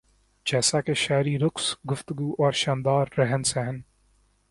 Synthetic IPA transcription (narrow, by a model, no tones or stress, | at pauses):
d͡ʒɛːsakeʃaːjɾiɾʊksɡʊft̪əɡuːʔɔːɾʃãːnd̪aːɾːɐɦənsɛɦən